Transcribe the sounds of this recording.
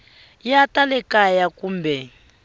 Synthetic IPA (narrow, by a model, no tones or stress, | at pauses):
jatalɛkajakuːmbʱɛ